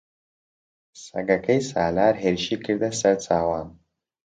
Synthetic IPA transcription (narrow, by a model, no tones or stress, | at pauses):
sɐ̰ɡɐkʰɐjsa̰ːlaːɾɦeːɾɨʃiːkʰɨɾd̪ɐsɐɾt͡sʰaːwaːn